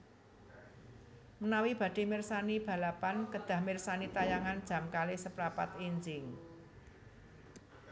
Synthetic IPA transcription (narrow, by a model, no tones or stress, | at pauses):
mənawib̥ä̤ɖ̥e̤mɪrsanib̥ä̤lapankəd̪̥ä̤hmɪrsanit̪ajaŋand̥ʒ̥ä̤mkalɪsəpɾapa̰t̪iɲd͡ʒɪŋ